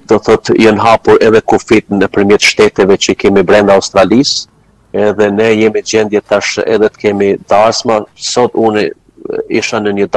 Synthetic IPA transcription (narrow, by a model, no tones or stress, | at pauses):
d̪̥ɔθɔt̪jɔnɦapuɾɛðɛkufit̪nəpəɾmjɛt̪ʃt̪ɛt̪ɛvɛt͡ɕəikɛmibɾɛnd̪aust̪ɾalis | ɛðɛnɛjɛmid͡ʑɛnd̪jɛt̪aʃɛ̰ðɛt̪ə̥kɛmid̪aɾsmasɔt̪uni | iʃanəɲəd̪